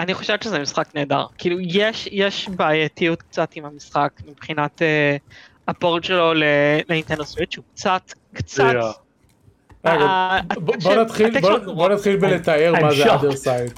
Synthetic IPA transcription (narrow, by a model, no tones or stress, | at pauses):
aniχoʃevt̪t͡ʃezɛmisχakneːda̰ʁkʰiːlujeʃjeʃbaːjat̪ijut̪k̚t͡satimhamisχakmibχinat̪e | apoʁtʃelo̞leleint̪end̪oswiʃukt͡sat̪kt͡saa | avaabobonat̪χilobonat̪χilbelet̪aeʁmazed̪esajd